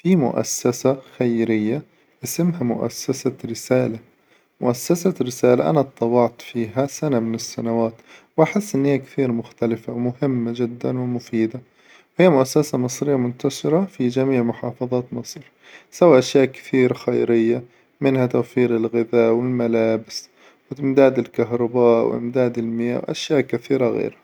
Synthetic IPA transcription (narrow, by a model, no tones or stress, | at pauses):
fimʊ̰ʔa̰sːasaxajɾɪjːa | ʔasɪmhamʊ̰ʔa̰sːasaɾɪsaːla | mʊ̰ʔasːasaɾɪsaːlaʔa̰nat̪ˤːɑwɑʕt̪ˤfiːɦasanamɪnɪsːanawaːt̪wʔaħɪsːʔɪnːhiːakt̪iːɾmʊxt̪alɪfawmʊhɪmːad͡ʒɪd̪ːanwɪmʊfiːd̪a | whiːamʊʔasːasamɨsˤɾɪjːamʊnt̪aʃɪɾafid͡ʒamiːʕmʊħɑːfɑðˤɑːt̪mɨsˤɾ | sawaːʔaʃjaːʔkɪ̥θiːɾxajɾɪjːa | mɪnhat̪awfiːɾɪlɣɪðaːʔwɪlmalaːbɪs | wɪɪmd̪aːd̪ɪlkaɦɾˤɑbaːʔwʔɪ̰md̪aːd̪ɪlmɪja̰ːwʔa̰ʃjaːʔkaθiːɾaɣḛːɾha